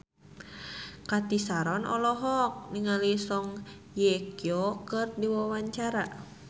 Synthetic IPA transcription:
kat̪isaɾɔnɔlɔɦɔk̚niŋalisɔŋ | jɛkjokərdiwawaɲt͡ʃaɾa

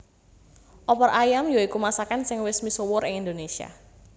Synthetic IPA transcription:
ʔɔpɔrajamjoikumasakansɪŋwɪsmisowʊɾɪŋind̪onesia̰

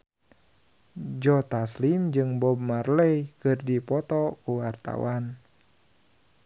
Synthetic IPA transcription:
d͡ʒɔt̪aslimd͡ʒɨŋbɔb̚marləjkɨrdipɔt̪ɔkuwart̪a̰wan

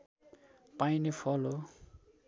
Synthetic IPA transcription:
painepʰɔlo

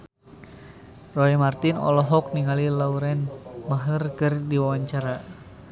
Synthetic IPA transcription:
roɛmart̪inɔ̰lɔɦɔk̚niŋalilauɾɛnmaɦərkɨrdiwawaɲt͡ʃaɾa

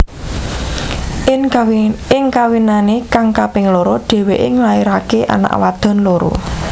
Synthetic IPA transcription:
ɪŋkawinanekaŋkapɪŋloɾɔɖ̥e̤weʔɪŋlaeɾakeʔa̰na̰ʔwad̪̥ɔ̤nloɾo̰

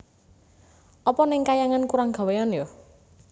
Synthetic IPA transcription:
ʔɔpɔnɪŋkajaŋankuɾaŋɡ̥a̤wejanjo

